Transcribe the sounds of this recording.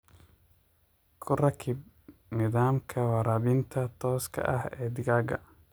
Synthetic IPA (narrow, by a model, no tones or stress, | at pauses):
kʰʊrɐkʰɪb̚ | nɪðaːmkʰɐwɑɾaːβɪnt̪ʰɐt̪ʰɔːskʰɐ̰ʔɐhɛːd̪ɪɣaːɡɐ̰